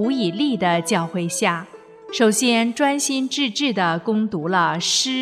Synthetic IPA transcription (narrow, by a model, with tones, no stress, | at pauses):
u˧˥i˨˩li˥˩d̪ə˩t͡ɕjɑ˥˧ʊxwe˥˧ɪɕja˥˩ | ʂo˨˩ʊɕjɛ˥nʈ͡ʂwa˥nɕi˥nʈ͡ʂɻ̩˥˧ʈ͡ʂɻ̩˥˩d̪ə˩kʊ˥ŋt̪u˧˥lə˧ʂɻ̩˥